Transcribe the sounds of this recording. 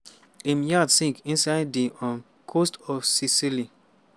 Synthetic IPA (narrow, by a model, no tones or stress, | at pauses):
imjadsĩŋkĩnsaɪddiʔɔ̃n | kʰostɔfsisili